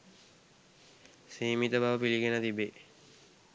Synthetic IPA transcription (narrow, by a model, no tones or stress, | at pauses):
siːmit̪əbaʋəpiliɡenət̪ibe